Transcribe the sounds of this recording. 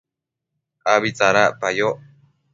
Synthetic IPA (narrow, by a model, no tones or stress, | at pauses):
aβit͡saɾapajo